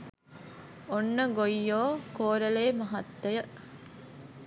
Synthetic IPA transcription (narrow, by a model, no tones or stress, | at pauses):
onːɐɡojːoːkoːɾɐleːmɐɦɐt̪ːɐjɐʔ